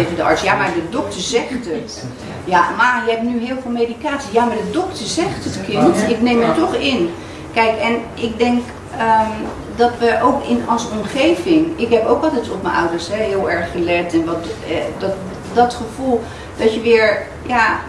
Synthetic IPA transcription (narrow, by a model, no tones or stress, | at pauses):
evədəɑ̰ɹtsjamaɹdədɔk̚təɹzɛχtət | jamarjəɦɛp̚nyɦɪːlˠvɪːlˠmejdikaːtsijamaːɹdədɔktəɹzɛχtɦətkʰɪntɪknejmətɔχɪn | kɛjkɛnʔɪk̚dɛŋk | əm | dɑtʋəʔowkɪnɔlˠsɔmχejvɪŋɪkɦɛpowkɔlˠtɛtɔpmənʔʌwdəɹsɦɛɦɪːlˠɛɹχːəlɛtɛnʋɔtdɔt | dɔtχəv̥ulˠ | dɔtjəʋɪːɹ | ja